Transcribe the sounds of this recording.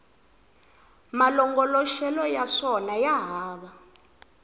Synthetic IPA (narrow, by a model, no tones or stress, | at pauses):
malɔŋɡɔlɔʃɛlɔjaʂɔnajaɦaːɓa